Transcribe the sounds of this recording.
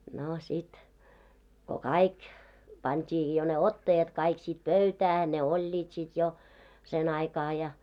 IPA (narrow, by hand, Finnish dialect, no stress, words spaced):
no sit ko kɑik pɑntʲiː jo ne otːɑjɑt kɑik sit pøytæː ne olʲːiːt sit jo sen ɑikɑː jɑ